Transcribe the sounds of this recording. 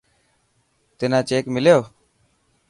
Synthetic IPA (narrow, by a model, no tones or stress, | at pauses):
t̪ɪnãːt͡ʃeːkmɪljoː